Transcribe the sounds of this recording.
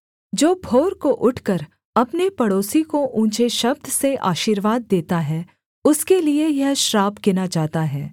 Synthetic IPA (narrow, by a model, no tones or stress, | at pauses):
d͡ʒoːbʱoːɾkoʔʊʈʰkəɾ | ɐpnepɐɽoːsikoʔũːt͡ʃeʃɐb̚d̪ʱseʔa̰ːʃiːɾʋaːd̪̚ːeːt̪aɦɛː | ʊskeliejɐɦʃɾaːbkɪnad͡ʒaːt̪aɦɛː